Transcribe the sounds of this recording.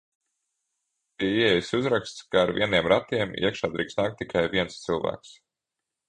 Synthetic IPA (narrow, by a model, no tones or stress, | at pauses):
piɛjsuzɾakst̪skaːɾvʲḭɛniɛmɾat̪iɛmḭɛkʃaːd̪ɾḭːksnaːk̚t̪ːikʰajviɛnst̪sɨlˠvæ̰ːks